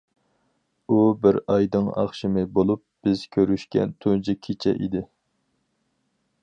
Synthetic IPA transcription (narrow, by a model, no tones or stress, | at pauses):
ubɪɾɑjd̪ɨŋɑ̰χʃimɪbolˠup̚b̥ɪz̥kʲʰøɾyʃkʲɛ̰nt̪ʰund͡ʒikʲʰit͡ʃʰɛ̰ʔḭd̪ɪ